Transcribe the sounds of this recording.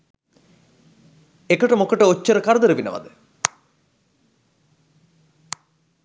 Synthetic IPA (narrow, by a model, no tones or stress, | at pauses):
ekəʈəmokəʈəot͡ɕːəɾəkaɾd̪əɾəʋinə̰ʋɐ̰d̪ə